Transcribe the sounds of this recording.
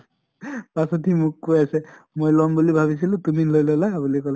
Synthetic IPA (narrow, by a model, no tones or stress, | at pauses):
pasɔtimʊkːojasɛ | mojlɔmbulibʱabis̬ilʊ̃tumilojlɔlabulikɔla